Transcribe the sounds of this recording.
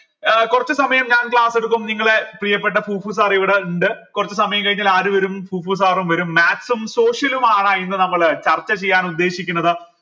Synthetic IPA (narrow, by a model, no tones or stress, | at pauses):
kurɐt͡ɕːusɐmɐjɐmɲaːnkɭaːse̞ɽuk̬ːumniŋːɐɭeprijɐpːe̞ʈːɐfʰuːfuːs̬aːriʋiɽeuɳɖɨkurɐt͡ɕːusɐmɐjɐmkɐɻiɲːaːlaːɾuʋɐɾumpuːfuːs̬aːrumʋɐɾumːaːksumso̞ːʂjɐlumaːɳaenːɨnɐmːɐɭt͡ɕɐrt͡ɕːɐt͡ɕe̞jːaːnud̪ːe̞ːɕikʲːunːɐðɨ